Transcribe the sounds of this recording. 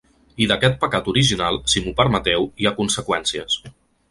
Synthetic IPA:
iðəkɛt̪̚pəkat̪uɾiʒinalˠsimupəɾmət̪ɛwiakunsəkwɛnsiəs

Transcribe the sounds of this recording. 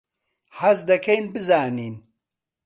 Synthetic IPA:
ħɐzd̪ɐkʰejnbɨzaːniːn

